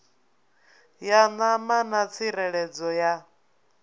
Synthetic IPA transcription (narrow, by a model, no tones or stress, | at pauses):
janamanat͡sʰiɾɛɺɛd͡zɔja